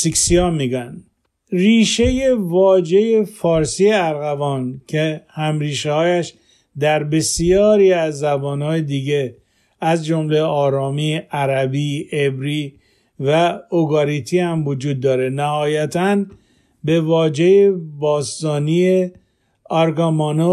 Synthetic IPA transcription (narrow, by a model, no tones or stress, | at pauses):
siksiɒːmiːɡænd̪ | riːʃe̞je̞vɒːd͡ʒe̞je̞fɒːɾsiːeæɾɣævɒːncʰehæmɾiːʃehɒːjæʃ | d̪æɾbe̞sjɒːɾiːæzːæbɒːnhɒːjed̪iːɟe | æzd͡ʒomle̞ɒːɾɒːmiːæɾæbiːebɾiː | væoɡɒɾit̪ʰihæmvod͡ʒuːd̪ːɒːɾe̞næhɒːjæt̪ʰæn | be̞vɒːd͡ʒe̞jebɒːst̪ɒːnie | ɒɾɡɑmɒno